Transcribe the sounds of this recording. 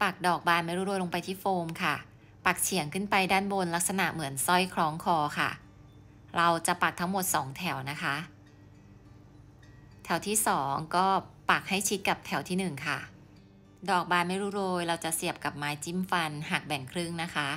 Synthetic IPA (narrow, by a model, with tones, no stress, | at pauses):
pa˨˩k̚dɔː˨˩k̚baː˧nma˥˩jɾuː˦˥ɾoː˧jlo˧ŋpa˧jt̪ʰiː˥˩foː˧mkʰa˥˩ | pa˨˩k̚t͡ɕʰi˨˩˦əŋkʰɯ˥˩npa˧jdaː˥˩nbo˧nla˦˥k̚sa˧na̰˨˩ʔmɯ˩˦ənsɔ˥˩jkʰɾɔː˦˥ŋkʰɔː˧kʰa̰˥˩ | ɾa˧wt͡ɕa˨˩pa˨˩k̚t̪ʰa˦˥ŋmo˨˩t̪̚sɔː˩˦ŋt̪ʰɛ˨˩˦wna˦˥kʰa˦˥ʔ | t̪ʰɛ˨˩˦wt̪ʰiː˥˩sɔː˩˦ŋkɔː˥˩pa˨˩k̚ha˥˩jt͡ɕʰi˦˥t̪̚ka˨˩p̚t̪ʰɛ˩˦wt̪ʰiː˥˩nɯ˨˩ŋkʰa˥˩ | dɔː˨˩k̚baː˧nma˥˩jɾuː˦˥ɾoː˧jɾa˧wt͡ɕa˨˩si˨˩əp̚ka˨˩p̚maː˨˧˥jt͡ɕi˥˩mfa˧nhaː˨˩k̚bɛ˨˩ŋkʰɾɯ˥˩ŋna˦˥kʰa˦˥ʔ